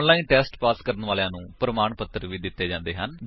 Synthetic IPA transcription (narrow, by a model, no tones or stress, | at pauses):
nlaːiːnʈɛːsʈpaːskəɾənʋaːljãːnũːpɾəmaːɳpət̪ːəɾʋiːd̪ɪt̪ːeːd͡ʒãːnd̪eːɦən